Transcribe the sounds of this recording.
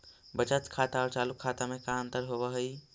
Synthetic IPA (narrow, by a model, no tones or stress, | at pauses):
bət͡ʃət̪kʰaːt̪aɔːɾt͡ʃaːlukʰːaːt̪amẽkaə̃nt̪əɾɦoʋəɦəi